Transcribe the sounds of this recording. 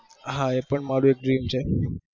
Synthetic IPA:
ɦãepəɳmaɾuek̚ɖɾimt͡ɕʰe

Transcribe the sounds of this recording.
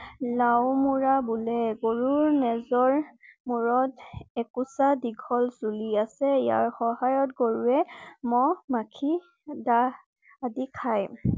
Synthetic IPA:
lawmuɹabulɛɡoɹuɹnɛzɔɹmuɹɔtɛkusadiɡʱɔlsuliasɛija̰ɹxɔhajɔtɡoɹuɛmɔmakʰi | daː | dikʰaj

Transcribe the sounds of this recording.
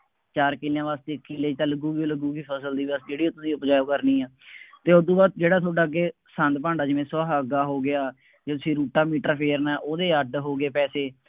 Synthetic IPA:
t͡ʃaːɾkɪljãːʋaːst̪eːkːɪleːt͡ʃələɡuːɡiːoləɡuːɡiːpʰəsəld̪iːʋəsd͡ʒeːɽiːoːt̪ʊsĩːʊpd͡ʒaːjoːkəɾniːaːt̪eːod̪ũːbaːd̪̚d͡ʒeːɽaːt̪ʰoːɖaːɡeː | sə̃nd̪pãːɳɖaːd͡ʒɪʋẽːsaːɦəɡaːɦoːɡɪaː | d͡ʒeːt̪ʊsĩːɾuːʈaːmiːʈɾapʰeːɾnaːʔoːd̪eːəɖɦoːɡeːpɛːseː

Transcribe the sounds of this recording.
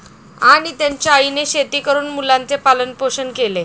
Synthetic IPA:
aɽ̃it̪jaɲt͡ɕjaaineɕet̪iːkəɾuːnmulãnt͡sepalənpoɕənkele

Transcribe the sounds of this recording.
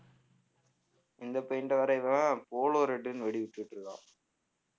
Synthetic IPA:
ʔɪnd̪ɐpːɐjɪnɖɐʋɐɾɐɪʋɐapoːloːɾeʈːɯnʋɛɽiʋɪʈːɯʋɪʈːɾɯða̰ː

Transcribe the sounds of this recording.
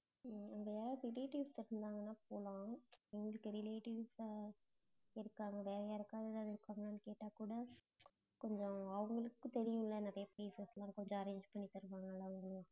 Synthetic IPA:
ɐŋɡɐaːɾaːɾɪleːʈɪʋsɪɾɯnd̪aːŋɡɐnːaːpoːlãːɪŋɡɐlɯkːɯɾɪleːʈɪʋs | ɪɾɯkːaːŋɡɐʋeːɾɐjɪɾɯkːaːðɐðaɐɪɾɯkːaːŋɡɐaːnɯkeːʈːaːkuːɽɐ | kɔɲd͡ʒɔ̃ɐʋɐŋɡɐɭɯkːɯt̪ɛɾɪjʊ̃ɪlːɐnɐðɐjɐpɾeːsɐslãːkɔɲd͡ʒɔ̃ɐɾeːɲd͡ʒpɐɳːit̪ɐɾɯʋaːŋɡɐalːaːʋɐŋɡɐɭ

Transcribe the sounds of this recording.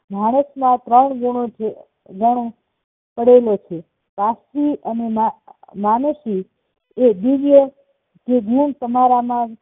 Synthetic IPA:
mʱaɽ̃əʃmãt̪ɾəɳɡoɽ̃ot͡ʃʰe | ɡəɽ̃o | pəɽelot͡ʃʰe | pasiənemamanəʃi | eb̪iʋjə | keɡʱuɳt̪əmaɾamã

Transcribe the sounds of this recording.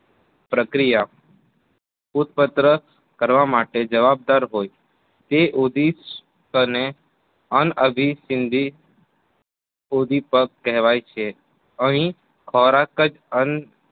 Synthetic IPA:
pɾəkɾija | ut̪̚pət̪ɾə | kəɾʋamaʈed͡ʒəʋab̚d̪aɾɦoj | t̪eʔod̪ʱis | təne | ənəbʱisɪnd̪ʱi | od̪ʱipək̚kːɛɦʋajt͡ʃʰe | əɦĩ | kʰɔɾakəd͡ʒ | ən

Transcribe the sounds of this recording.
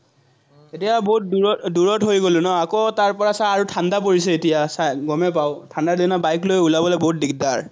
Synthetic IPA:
etijaboɦut̚duɔduɹɔtɦojɡolʊ̃nɔakotaɹpɔɹasaaɹutʰandap̬oɹisɛetijasajɡɔmɛp̬aʊtʰandadinabajklojulabɔlɔboɦut̚dik̚daɹ

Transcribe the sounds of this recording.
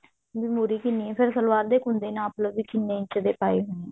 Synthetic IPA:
bɪmuːɾiːkɪnːiːɛ̃ːpʰɪɾsəlʋaːɾd̪eːkʊnd̪eːnãːpləbiːkɪnːeːɪt͡ʃəd̪eːpaːiːɦʊneː

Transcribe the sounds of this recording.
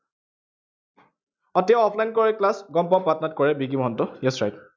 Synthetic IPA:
ɔtjaɔpʰlajnkɔɹɛklasɡɔmpɔmpatɔnat̚kɔɹɛbikimɔɦɔntɔjɛsɹajk

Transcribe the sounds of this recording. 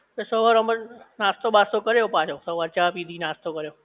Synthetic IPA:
esəɦʋaɾəmənast̪obast̪okəɾejopãt͡ʃʰosəɦʋaɾt͡ʃapid̪ʱinast̪ʰokəɾjo

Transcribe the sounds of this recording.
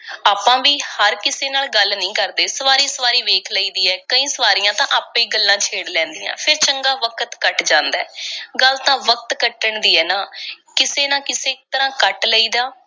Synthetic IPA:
aːpãːʋiːhəɾkɪseːnaːlɡəlnəĩːkəɾd̪eːsəʋaːɾiːsəʋaːɾiːʋeːkʰləiːd̪iːɛːkəĩːsəʋaːɾijãːt̪ãːʔaːpːẽːɡəlːãːt͡ʃʰeːɽlɛ̃ːnd̪ijã̰ːpʰɪɾt͡ʃəŋɡaːʋəkət̪kəʈd͡ʒãːnd̪aːɛːɡəlt̪ãːʋək̚t̪kəʈːəɳd̪iːɛːnaːkɪseːnãːkɪseːk̚t̪əɾãːkəʈləiːd̪aː

